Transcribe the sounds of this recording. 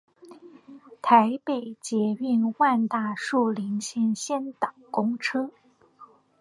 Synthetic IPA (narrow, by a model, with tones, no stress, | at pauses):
t̪ʰa˧˥ɪpe˨˩ɪt͡ɕjɛ˧˥y˥˧nwa˥˧nt̪a˥˧ʂu˥˩li˧˥ŋɕjɛ˥˧nɕjɛ˥nt̪ɑ˨˩ŋkʊ˥ŋʈ͡ʂʰɤ˥